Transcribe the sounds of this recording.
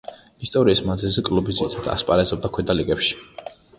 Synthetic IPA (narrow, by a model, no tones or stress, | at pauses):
ist̪ʼɔɾiːsmad̪zilzɛkʼlubizit̪ʰad̪ʰa̰spʼaɾɛzɔb̚d̪akʰwɛd̪aliɡɛpʃi̥